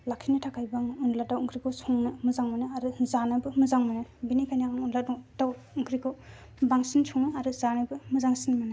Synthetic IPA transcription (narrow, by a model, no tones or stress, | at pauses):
lakʰinɯtʰakʰajbaŋunladawuŋkʰɾikʰɯwsʰɔŋnɯmɯzaŋmanɯaɾuzanabɯmɯzaŋmanabinikʰajnaaŋunladɔdaw | uŋkʰɾikʰɯw | baŋsinsʰɔŋnɯaɾuzanabɯmɯzaŋsinmana